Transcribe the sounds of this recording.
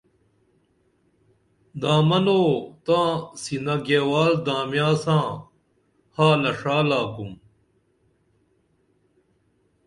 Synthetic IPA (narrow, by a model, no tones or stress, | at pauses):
d̪aːmɐnoːt̪ãːsinɐɡeːwaːld̪aːmjaːsãː | haːlɐʂaːlaːkum